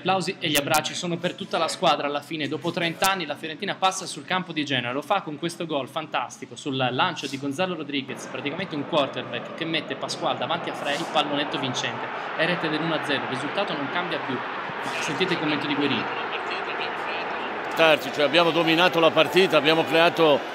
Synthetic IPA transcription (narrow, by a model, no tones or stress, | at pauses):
ʎaplawzieʎːiabːɾat͡ʃːisoːnopert̪ut̪ːalaskwaːd̪ɾaːlːafiːned̪ɔːpot̪ɾent̪aanːilafjoɾent̪inapasːasulkampod̪id͡ʒɛːneɾelofakːoŋkwest̪oɡɔlfant̪ast̪ikosulːant͡ʃod̪iɡonzaloɾod̪ɾiɡespɾat̪ikament̪euŋkwɔrt̪erbɛkːkːemːet̪ːepaskwald̪avant̪iafːɾailpalːonet̪ːovint͡ʃɛnt̪eɛɾɛt̪ed̪elːunoad̪zːɛːɾorːizult̪aːt̪onoŋkambjapju | masːent̪it̪eilkomːent̪od̪iɡweɾḭːt̪lapart̪iːt̪abamokɛ | ot̪art͡ʃit͡ʃoɛabjaːmod̪ominaːt̪olapart̪iːt̪aːbjaːmokɾeaːt̪o